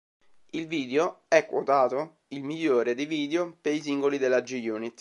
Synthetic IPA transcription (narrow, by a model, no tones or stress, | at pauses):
ilviːd̪eoɛkːwot̪aːt̪o | ilmiʎːoːɾed̪eviːd̪eopeɾisiŋɡolid̪elːad͡ʒijuːnit̪ː